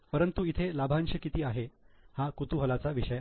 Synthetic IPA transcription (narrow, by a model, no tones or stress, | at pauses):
pəɾənt̪uit̪ʰelabʱanɕəkit̪iːaɦehakut̪uɦəlat͡saʋiʂəj